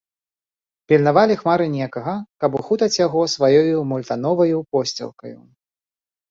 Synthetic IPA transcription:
pʲilʲnavalʲixmaɾɨnʲɛkɐɣɐkapuxut̪ɐt͡sʲjaɣɔsvajɔjumulʲt̪anɔvɐjupɔsʲt͡sʲɐ̰lˠkɐ̰jṵ

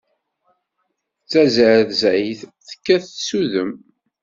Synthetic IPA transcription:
t͡sːæzəɾθzæjiθθə̥kːæθsuðəm

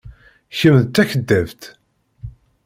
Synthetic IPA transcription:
çəmðt̪ːæçəd̪ːævt̪

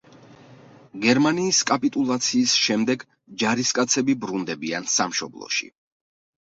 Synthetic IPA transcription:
ɡɛɾmaniːskʼapʼit̪ʼulˠat̪sʰiːsʃɛmd̪ɛɡ | d͡ʒaɾiskʼat̪sʰɛbibɾund̪ɛbia̰nsamʃɔblˠɔ̰ʃḭ

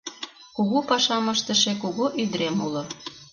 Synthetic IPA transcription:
kuɣupɑʃɑməʃt̪ə̆ʃekuɣoʔyd̪ɾemulŏ

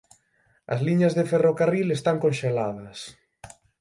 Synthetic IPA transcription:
ɐ̰zliɲɐzðeferokarilest̪aŋkõnʃelaðɐs

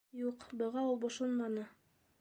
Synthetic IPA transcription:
juqbŏʁɑulˠbŏʃonmɑnɤ

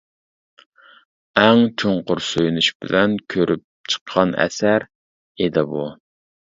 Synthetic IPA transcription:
ɛŋt͡ʃʰoɴqʊɾsøjnyʃbɪlɛnkʲʰøɾʔyp̚t͡ʃʰə̥qʰːɑnɛ̰sæɾ | ed̪ɪbu

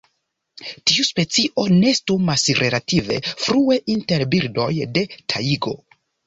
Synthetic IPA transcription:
tiuspe̞t͡siʔo̞ne̞stumasɾʔe̞lative̞̰fɾue̞ʔinte̞ɾbiɾdo̞jde̞tʰaiɡo̞̰

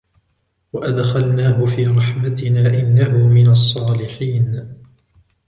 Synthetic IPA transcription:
waʔad̪xalnaːɦʊfiːɾˤɑħmat̪ɪnaːʔɪnːaɦʊmɪnɑsˤːɑːlɪħiːn

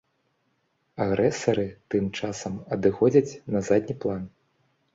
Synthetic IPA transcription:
aɣɾʔɛsɐɾɨt̪ɨmt͡ʂasɐmɐd̪ɨxɔd͡zʲɐt͡sʲnɐzad̪ʲnʲiplˠan

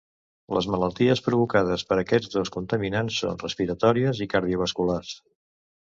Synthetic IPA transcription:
lə̰zmələlˠt̪iəspɾuβukað̞əspəɾəkɛd͡zd̪oskunt̪əminansːo̰nrəspiɾət̪ɔɾiəzikəɾð̞iuβ̞əskulars

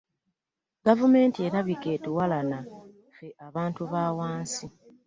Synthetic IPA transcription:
ɡavume̞ːntie̞ɾaβike̞tuwalana | fe̞ʔaβaːntuβaːwaːnsi

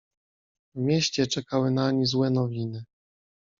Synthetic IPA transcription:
vmʲjeɕt͡ɕɛt͡ʂɛkawɘnaɲizwɛnɔvʲinɘ

